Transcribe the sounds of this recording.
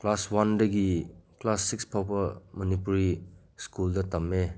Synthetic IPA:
klaswandɐɡiklasːikspʰawbɐmɐnipuɾi | skuldɐtɐme

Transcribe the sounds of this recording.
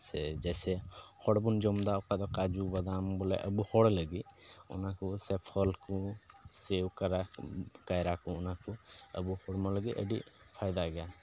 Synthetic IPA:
sɛ̰d͡ʒɛsɛhɔɽbund͡ʒɔmd̪aɔkad̪ɔkad͡ʒubəd̪ambɔlɛ̰ʔə̰buhɔɽləɡiɔ̰nakusɛpʰəlkusewkəɾakajɾakuːnakuə̰buhɔɽmãləɡiʔəɖi | pʰajd̪aɡɛja

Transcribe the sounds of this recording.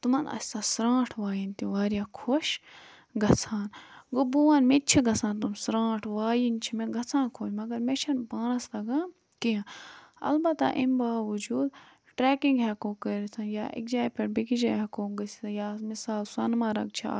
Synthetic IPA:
t̪umɐnɐ̰sʲt̪aːsɾãːʈʰʋaːjint̪iʋaːɾijaːkʰoʃ | ɡɐt͡sʰaːnɡobuʋɐnmet͡ʃʰiɡɐsʰãːnt̪umsɾãːʈʰʋaːjint͡ʃʰimeɡɐt͡sʰãːnkʰoːʃmɐɡɐɾmet͡ʃʰɐnpaːnɐst̪ɐɡãː | kiãɐ̰lbɐt̪a̰ʔimbaːʋud͡ʒuːd̪ | ʈɾɛːkiŋɡɦɛkoːkəɾit̪ʰɐnjaːʔḭkd͡ʒaːjpeɽbikid͡ʒaːjɦɐkoːɡɐsʰi̥jaːmisaːlsɐnmaːɾɐɡ̚t͡ʃʰia̰

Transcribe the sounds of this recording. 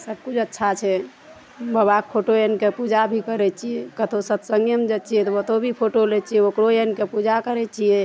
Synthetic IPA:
səb̚kud͡ʒʰətːʃʰat͡ʃʰɛ | bəbak̚pʰoʈoenkepud͡ʒabʱikəɾɛt͡ʃʰiɛkət̪ʰosət̪səŋɡjəmed͡ʒet̪t͡ʃʰijɛt̪ɔət̪obʱipʰoʈolɛt͡ʃʰiɛokɽoenkepud͡ʒakəɾɛt͡ʃʰijɛ

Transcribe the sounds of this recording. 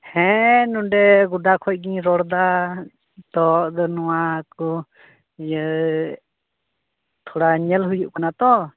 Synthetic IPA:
hɛ̃nuɖɛɡuɖakʰɔc̚ˀɡiɲɾɔɽd̪a | t̪ɔʔd̪ɔnɔwakɔ | j | t̪ʰɔɽaɲɛlɦujuʔkanat̪ɔ

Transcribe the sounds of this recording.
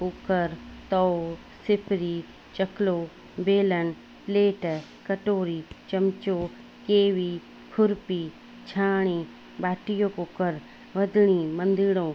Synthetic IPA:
koːkəɾt̪ɔ | sɪpɾi | t͡ʃɐkloː | beːlən̆ | pleːʈ | kɐʈoːɾit͡ʃɐmt͡ʃo | keːʋi | kʰʊɾpiː | t͡ɕʰaːɽ̃i | baːʈijõkoːkəɾ | ʋɐd̪ʱɪɽ̃imɐ̃nd̪ɪɽõː

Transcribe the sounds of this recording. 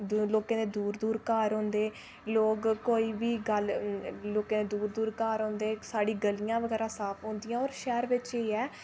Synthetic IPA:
d̪loːkãːd̪eːd̪uːɾd̪uːɾkaːɾɦõːnd̪eː | loːkkoːiːbiːɡəlloːkãːd̪eːd̪uːɾd̪uːɾkaːɾɦõːnd̪eːsaːɽiːɡəlijãːʋəɡɛːɾaːsaːpʰɦõːnd̪ijãːɔːɾʃɛːɾʋɪt͡ʃeːɛː

